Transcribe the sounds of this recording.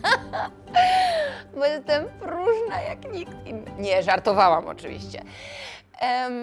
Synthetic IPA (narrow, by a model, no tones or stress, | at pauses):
bɔjɛst̪ɛmpɾuʐnajakɲikt̪iɲɛʐaɾt̪ɔvawamɔ̰t͡ʂɨvʲḭɕt͡ɕɛ̰